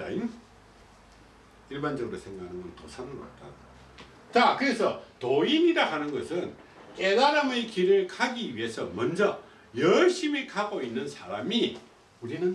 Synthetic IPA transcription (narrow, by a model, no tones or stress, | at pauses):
a̰jo | iɭband͡ʑʌɡɯɾosʰe̞ŋɡakʰanɯnɡʌntosʰanɯɾa̰t̚t͈a | t͡ɕakɯɾe̞sʰʌtoiɲiɾaɦanɯnɡʌsʰɯn | ke̞daɾamekiɾɯɭkʰaɡiɥiɦe̞sʰʌmʌnd͡ʑʌ | jʌɭɕ͈imikaɡoinːɯnsʰaɾami | uɾinɯn